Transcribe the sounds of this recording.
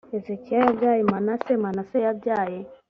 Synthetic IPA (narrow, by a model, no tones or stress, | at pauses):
ɛzɛkiajavjajɛmanasɛmanasɛjabjajɛ